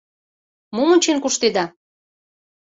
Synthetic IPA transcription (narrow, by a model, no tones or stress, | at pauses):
momunʲt͡ɕenkuʃt̪ed̪ɑ